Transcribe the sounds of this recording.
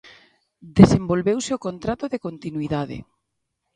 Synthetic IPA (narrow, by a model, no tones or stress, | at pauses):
d̪esembolβewsɪokont̪ɾat̪oðekont̪inwiðaðḛ